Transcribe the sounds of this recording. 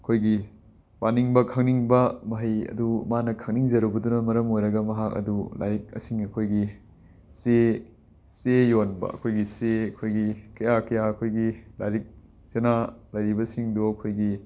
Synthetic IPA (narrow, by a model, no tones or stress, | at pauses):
ɐkʰojɡi | baniŋbɐkʰɐŋniŋbɐmɐɦɐjɐ̰dumanɐkʰɐŋniŋd͡ʒɐɾubɐdunɐmɐɾɐmojɾɐɡɐmɐɦakɐ̰dula̰jɾik̚ɐ̰siŋɐkʰojɡi | se | sejonbɐ̰ɐ̰kʰojɡiseɐkʰojɡikɐjakɐjaɐkʰojɡilajɾik̚ | senalɐjɾibɐsiŋdoɐkʰojɡi